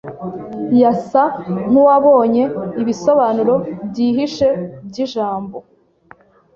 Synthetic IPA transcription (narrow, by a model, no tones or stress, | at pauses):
jasaŋ̥uwaβo̞ːɲe̞iβiso̞βanuɾo̞bɟiːɦiʃe̞b̚ɟiʒaːmbo̞